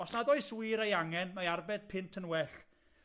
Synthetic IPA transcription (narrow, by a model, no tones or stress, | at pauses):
ɔsnadɔɨswiɾejaŋɛnmaarbɛd̥̚pʰɪntʰənwɛɬ